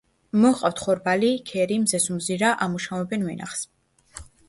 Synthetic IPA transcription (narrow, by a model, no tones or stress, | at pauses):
mɔχqʼaft̪ʰχɔɾbalikʰɛɾimzɛsumziɾaʔamuʃavɔbɛnvɛ̰na̰χs